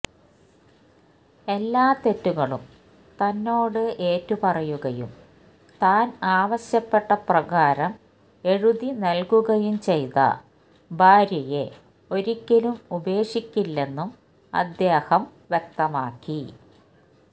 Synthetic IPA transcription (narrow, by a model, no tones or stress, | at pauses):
e̞lːaːt̪e̞tːuɣɐɭum | t̪ɐnːo̞ːɽɨʔeːtːupɐrɐjuɣɐjṵm | t̪aːnaːʋɐɕjɐpːe̞ʈːɐprɐɣaːɾɐm | e̞ɻuðinɐlkuɣɐjumt͡ɕe̞jt̪ɐ̰ | bʱaːɾjɐje̞ | o̞ɾikʲːɐlumube̞ːʂikʲːilːe̞nːum | ɐ̰d̪jeːhɐmʋjek̚t̪ɐmaːkːi